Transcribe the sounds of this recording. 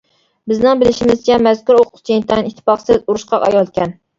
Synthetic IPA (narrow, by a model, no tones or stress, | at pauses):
bɪznɪŋbɪlɪʃimɪzt͡ʃʲʰɛmɛz̥kʲuɾoqʰʊqt͡ʃʰent̪ʰɛnit̪ʰːɪ̥pɑχsɪzuɾuʃqɑʔɑ̰jɑlˠkʲʰɛn